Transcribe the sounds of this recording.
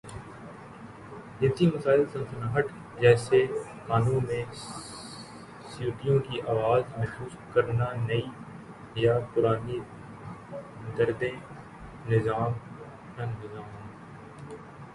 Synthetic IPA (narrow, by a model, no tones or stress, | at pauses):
nɪt̪imɐsaːɪlsɐ̃nsənaːɦəʈ | d͡ʒɛːse | kaːnũmẽ | sjuːʈ̪ijõkiʔaːʋaːzmɛɦxsuːskɐɾnanɐi | japʊɾaːni | d̪ɐɾd̪ẽ | nɪzaːm | ɐnnɪzaːmɦ